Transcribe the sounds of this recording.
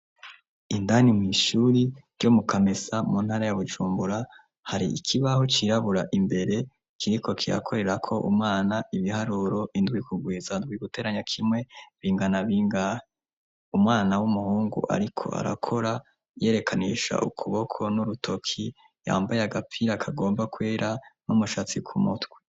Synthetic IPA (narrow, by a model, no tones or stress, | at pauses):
indanimŋiʃuɾiɾjomukʰamesamuːn̥haːɾajaβud͡ʒuːmbuɾa | haɾiikʰiβahot͡ʃiɾaβuɾaʔimbe̞ɾe̞ | kʰiɾikʰo̞kʰiɾa̰kʰo̞ɾe̞ɾakʰo̞ʔumŋaːnaʔiβihaɾuɾo̞ʔindɡwikuɡwiːzandwiɡ̥ute̞ɾaɲakʰimwe̞βiːŋɡanaβiːŋɡa | umŋaːnawumuhuːŋɡṵʔa̰ɾikʰo̞̰a̰ɾa̰kʰo̞ɾa | je̞ɾe̞kʰaniʃa̰ʔukʰuβo̞kʰo̞nuɾutʰo̞kʰi | ja̰ːmbajaɡap͡fiɾakʰaɡo̞ːmbakweːɾʔanumuʃat͡sikʰumṵtɡwe̥